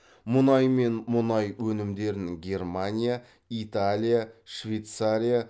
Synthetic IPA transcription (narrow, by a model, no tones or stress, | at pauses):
mʊnɑjme̞nmʊnɑjwɵnɪmd̪e̞ɾɪŋɡʲe̞rmanʲija | it̪alʲijaʃvʲejt̪saɾʲija